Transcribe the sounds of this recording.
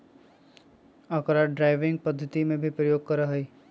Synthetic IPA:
ɐkɾaɖɾaːɪʋɪ̃ŋɡ̚pɐd̪ʱːət̪imẽbʱipɾəjoːɡ̚kɐɾaɦɐiː

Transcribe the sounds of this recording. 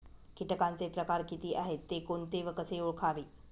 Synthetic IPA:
kiʈəkant͡sepɾəkaɾkit̪iːʔaɦet̪ːekoɳt̪eʋəkəseuɭkʰaʋiː

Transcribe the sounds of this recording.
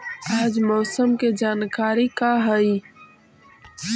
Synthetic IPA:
aːd͡ʒmɔːsəmked͡ʒaːnkaːɾikaɦəi

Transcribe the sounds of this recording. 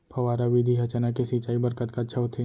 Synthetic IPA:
pʰɐʋaːɾaʋid̪ʱiɦɐt͡ʃanakesit͡ʃaːibɐɾkət̪kat̪ʃʰɐɦot̪ʰe

